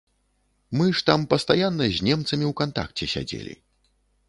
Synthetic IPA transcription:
mɨʂt̪ampɐst̪ajanːɐzʲnʲɛmt̪sɐmʲiwkant̪a̰k̚t͡sʲɛsʲa̰d͡zʲḛlʲḭ

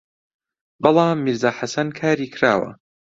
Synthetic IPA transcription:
bɑlˠɑːmːiɾzaːħasɐnkʰaːɾiːkʰɾa̰ːwɐ̰

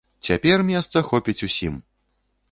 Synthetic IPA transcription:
t͡sʲapʲɛrmʲɛst̪sɐxɔpʲit͡sʲusʲim

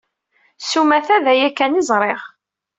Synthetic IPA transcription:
sumæθæðæjækːænizˤɾˤeʁ

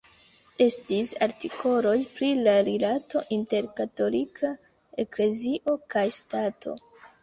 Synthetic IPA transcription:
e̞stisa̰ɾtiko̞lo̞jpɾilaɾilato̞ʔinte̞ɾkato̞likʰa | e̞kle̞ziʔo̞kajstatʰo̞̰

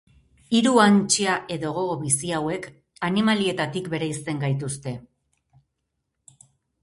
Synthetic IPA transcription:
iɾuant͡ʃeaʔe̞ðo̞ɣ̞o̞ɣo̞βisiawe̞k | animalie̞t̪at̪ikbe̞ɾajst̪e̞ŋɡajt̪ust̪e̞

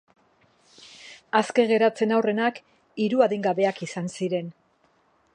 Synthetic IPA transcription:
aske̞ɣe̞ɾat͡se̞nawre̞nak | iɾuaðiŋɡaβe̞akisansiɾe̞n

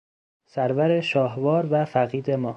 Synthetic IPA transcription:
sæɾvæɾeʃɒːɦvɒːɾvæfæɣiːd̪emɒː

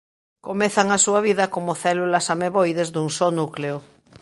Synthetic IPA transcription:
komeθaŋasuaβiðɐkomoθɛlulasameβojðezðuŋsonukleo

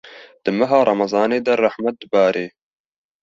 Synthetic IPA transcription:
d̪̥ɨmɐɦɑːɾˤɑmɑzˤɑːneːd̪arˤɑħmat̪̚d̪ɨbɑːɾeː

